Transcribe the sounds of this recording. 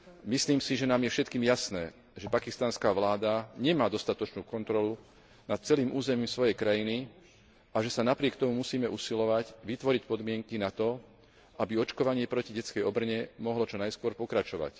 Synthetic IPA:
misliːmsiʒɛnaːmjɛfʃɛt̪̚kiːmjasnɛː | ʒɛpakist̪anskaːʋlaːd̪aɲɛmaːd̪ɔst̪at̪ɔt͡ʃnuːkɔnt̪ɾɔlu | nat̪̚t͡sɛliːmʔuːzɛmiːmsʋɔjɛjkɾajini | aʒɛsanapɾɪɛkt̪ɔmumusiːmɛʔusilɔʋacʋit̪ʋɔɾicpɔd̪mɪɛŋkinat̪ɔ | abiɔt͡ʃkɔʋaɲɪɛpɾɔciɟɛt͡skɛjɔbr̩ɲɛmɔɦlɔt͡ʃɔnajskʊɔɾpɔkɾat͡ʃɔʋa̰c

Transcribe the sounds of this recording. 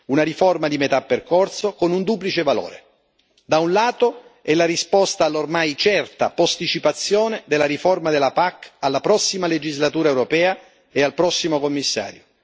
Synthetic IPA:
unaɾiformad̪imet̪apːerkorsokonund̪uːp̬lit͡ʃevalo̰ːɾḛ | d̪aunlaːt̪oɛlːaɾispɔst̪aːlːormajt͡ʃɛrt̪a̰post̪it͡ʃipat̪sːjoːned̪elːaɾiformad̪elːapakːalːapɾɔsːimaled͡ʒizlat̪uːɾaɛwɾopɛːa | ealpɾɔsːimokomːisːa̰ːɾjo

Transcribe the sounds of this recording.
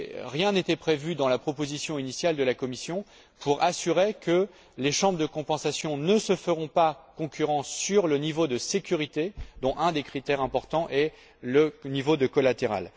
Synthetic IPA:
ʁjɛ̃net̪ɛpχevyd̪ɑ̃lapχɔpozisjɔ̃inisjald̪əlakɔmisjɔ̃ | pʰuʁasyʁekə | leʃɑ̃bʁd̪əkɔ̃pɑ̃sasjɔ̃nəsəfəʁɔ̃pakɔ̃kʲyʁɑ̃sːyʁlənivod̪əsekʲyʁit̪ed̪ɔ̃ʔɛ̃d̪ekχit̪ɛʁɛ̃pɔʁt̪ɑ̃ʔɛ | lənivod̪əkɔlat̪eʁa̰l

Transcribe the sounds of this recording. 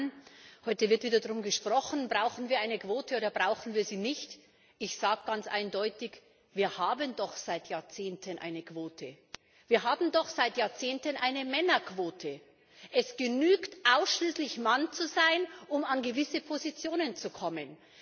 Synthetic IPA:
nhɔʏtəvɪɐtv̥iːdɐdʁʊmɡəʃpʁ̥ɔχn̩bʁaʊxn̩viːɐʔaɪnəkv̥oːtʰəoːɾɐbʁaʊxn̩viːɐziːnɪçt | ʔɪçz̥aːɡ̚ɡ̥ant͡sʔa̰ɪndɔʏtɪç | viːɐhaːbəndɔχz̥aɪtjaːɐt͡seːntʰənʔa̰ɪnəkv̥oːtʰə | viːɐɦaːbm̩dɔχz̥aɪtjaːɐt͡seːntənʔaɪnəmɛnɐkv̥oːtʰə | ʔɛsɡ̥ənyːktʔaʊsʃliːslɪçmant͡suzaɪnʔʊmanɡəvɪsəpʰozit͡sjoːnənt͡sukʰɔmən

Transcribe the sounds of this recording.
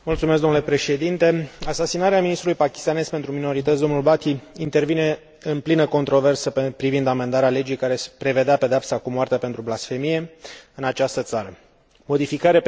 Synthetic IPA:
mult̪sumesɡd̪onlepɾe̞ʃe̞d̪int̪e̞asasinaɾeaminist̪ɾulujpakʲi̥st̪ane̞zpe̞nt̪ɾumino̞ɾit̪ət̪s̬ʲd̪o̞nulbat̪iint̪e̞rvine̞ | ɨnplinəko̞nt̪ɾo̞ve̞rsəpɾivind̪ame̞nd̪aɾeale̞d͡ʒijkaɾe̞spɾe̞ve̞d̪eape̞d̪eapsakumoart̪eape̞nt̪ɾublasfe̞mije̞ɨnat͡ʃast̪ət̪saɾə | mo̞d̪ifikaɾea

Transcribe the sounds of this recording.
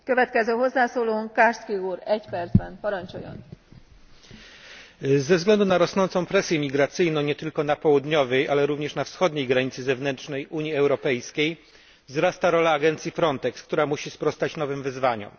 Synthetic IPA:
køvɛt̪kɛzøːɦozːaːsoːloːŋkarskiuːɾɛcpɛrt̪zbɛnpɒɾɒɲt͡ʃojɔ̰n | zɛvzɡlɛnd̪unaɾɔsnɔnt̪sɔ̃w̃pɾɛsʲjɛmʲiɡɾat̪sɘjnɔ̃w̃ɲɛt̪ɘlkɔnapɔwud̪ɲɔvɛjʔalɛɾuvɲɛʂnafsxɔd̪ɲejɡɾaɲit̪sɘzɛvnɛntʂnɛjuɲjiɛwɾɔpɛjskʲej | vzɾast̪aɾɔlaːɡɛnt̪sʲjifɾɔnt̪ɛkskt̪uɾamuɕispɾɔst̪at͡ɕnɔvɘmvɘzvaɲɔ̰m

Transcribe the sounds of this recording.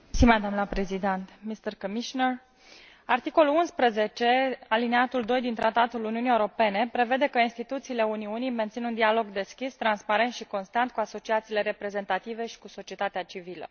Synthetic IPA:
simad̪amlapɾezid̪ent̪mist̪ərkomiʃonər | art̪iko̞lulunspɾəze̞t͡ʃe̞alineat̪uld̪o̞jd̪int̪ɾat̪at̪uluniunieuɾo̞pe̞ne̞pɾe̞ve̞d̪e̞kəinst̪it̪ut̪siːle̞uniunijme̞nt̪sinund̪ialo̞ɡd̪e̞skʲist̪ɾanspaɾe̞nt̪ʃiko̞nst̪ant̪̚kuaso̞t͡ʃiat̪siːle̞ɾe̞pɾe̞ze̞nt̪at̪ive̞ʃi̥kuso̞t͡ʃie̞t̪at̪eat͡ʃivilə̰

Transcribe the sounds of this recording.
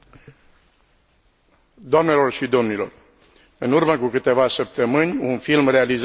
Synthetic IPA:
d̪oamne̞lo̞rʃid̪o̞mnilo̞̰r | ɨnurməkukɨt̪e̞vasəp̚t̪əmɨnʲunfilmre̞aliz

